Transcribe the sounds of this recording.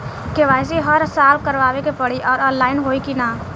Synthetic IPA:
keʋas̬iɦəɾsalkəɾʋaʋekepəɽiʔɔːɾɔ̃nlaɪnɦoikina

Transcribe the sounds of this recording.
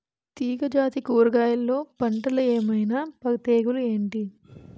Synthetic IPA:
t̪iːɡɐd͡ʒaːt̪ikuːɾɡaːjɐlːo̞ːpɐɳʈɐlɐeːmɐjnaːpɐt̪eːɡulue̞ːɳʈi

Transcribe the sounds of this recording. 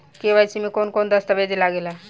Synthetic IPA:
keʋajt͡simikonkond̪əst̪abed̪ilaɡela

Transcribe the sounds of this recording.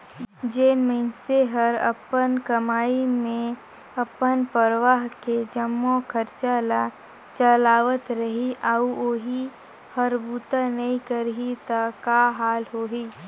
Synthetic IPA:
d͡ʒeːnməɪnseɦɐɾɐ̰pənkɐmaːimẽ | ɐpənpəɾəʋaːɦked͡ʒəmːokʰəɾt͡ʃala | t͡ʃəlaːʋət̪ɾəɦiʔaːuoɦi | həɾbuːt̪anɐɦĩkəɾɦit̪akaɦaːlɦoːɦiː

